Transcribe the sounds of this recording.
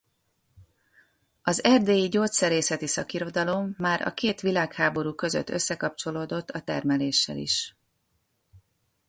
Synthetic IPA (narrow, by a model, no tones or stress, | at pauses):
ɒzɛrd̪eːjiɟoːt̪sɛɾeːsɛt̪isɒkiɾo̞d̪ɒlo̞mːaːɾɒ̰keːt̪ʋilaːkhaːbo̞ɾuːkø̞zø̰t̪ːø̞sːɛkɒpt͡ʃo̞loːd̪o̞t̪ːɒt̪ɛrmɛleːʃːɛ̰lḭʃ